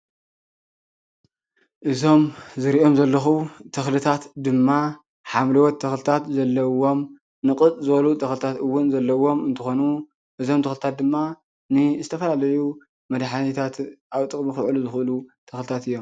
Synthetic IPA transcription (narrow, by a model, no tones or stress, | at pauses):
ʔɨzo̞mzɨɾiʔo̞mzɐlːɐxut̪ʰɐxlɨt̪ʰat̪d̪ɨmːa | ħamlɐwɔt̪ʰːɐxlɨt̪ʰat̪zɐlːɐwo̞m | nɨkʼɨt̪ʼzɨbɐlut̪ʰɐxlɨt̪ʰat̪ɨwːʊnzɐlːɐwo̞mɨnt̪ʰɨxo̞nu | ʔɨzo̞mt̪ʰɐxlɨt̪ʰat̪̚d̪ɨmːa | nɨzɨt̪ʰɐfɐlalɐju | mɐd̪ħanit̪ʰat̪ʔaβt̪ʼɨkʼmixɨʕluzɨxʔɨlut̪ʰɐxlɨt̪ʰat̪ɨjːo̞m